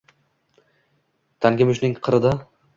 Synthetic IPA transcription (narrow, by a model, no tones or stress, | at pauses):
t̪ʰaŋɡʲɪmʊʃnɪŋqʰɨɾɨd̪a